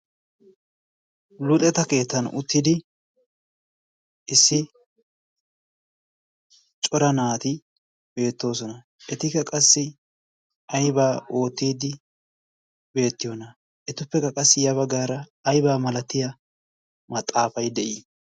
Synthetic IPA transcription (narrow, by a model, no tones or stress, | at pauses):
lʊt̪ʼɛt̪ɐke̞ːt̪ːɐnʊ̰t̪ːɪd̪ɪ | ʔɪsːɪ | t͡ʃʼɔɾɐnaːt̪ɪ | be̞ːt̪ːo̞ːs̬ɔnɐ | ʔɛt̪ɪkɐkʼɐsːɪ | ɐjbaːo̞ːt̪ːiːd̪ɪ | be̞ːt̪ːɪjonɐ | ʔɛt̪ʊpːɛkːɐkʼɐsːɪjɐβɐɡaːɾɐːjbaːmɐlɐt̪ːɪjɐ | mɐt̪ʼːaːfɐjd̪ɛʔɪ